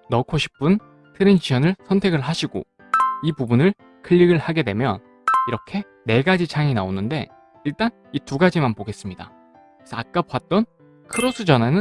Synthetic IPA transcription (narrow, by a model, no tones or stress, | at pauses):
nʌkʰoɕʰi̥p͈ɯn | tʰɯɾɯnt͡ɕiʌnɯɭsʰʌntʰe̞ɡɯɭɦaɕʰiɡo̰ | ibubunɯɭ | kʰɯʎːiɡɯɭhaɡe̞dwe̞̰mjʌ̰n | iɾʌkʰe̞ | ne̞ɡad͡ʑit͡ɕʰaŋinaonɯnde̞̰ | iɭt͈an | ituɡad͡ʑimanpoɡe̞s͈ɯmɲida̰ | esʰʌak͈̚apwat̚t͈ʌn | kʰɯɾosʰɯd͡ʑʌnanɯ